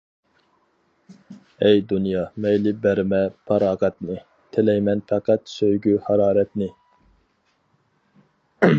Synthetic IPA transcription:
ɛjd̪unjɑmɛjlɪbæɾmɛpʰɑɾɑːʁɛt̪nɨ | t̪ʰɪlɛjmɛnpæqæt̪søjɡʲyhɑɾɑːɾɛt̪nɪ

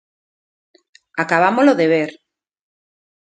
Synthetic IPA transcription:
akaβamoloðeβ̞eɾ

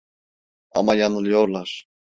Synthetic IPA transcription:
a̰majanɯlˠɯjoɾlˠaɾ̥

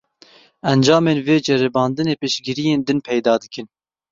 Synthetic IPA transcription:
ɛnd͡ʒɑːmeːnveːd͡ʒɛɾɛbɑːnd̪ɨneːpɨʃɡiɾijeːnd̪ɨnpʰɛjd̪ɑːd̪ɨkɨn

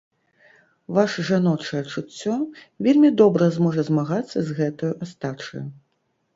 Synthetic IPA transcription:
vaʂɐʐanɔt͡ʂɐjɛt͡ʂut͡sʲːɔvʲelʲmʲid̪ɔbɾɐzmɔʐɐzmaɣat̪sːɐzɣɛt̪ɐjuʔast̪at͡ʂɐ̰ju

